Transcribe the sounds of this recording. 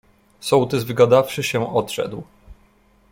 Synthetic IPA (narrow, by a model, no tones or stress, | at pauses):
sɔwt̪ɘzvɘɡad̪afʂɘɕɛɔt̪ʂɛ̰d̪w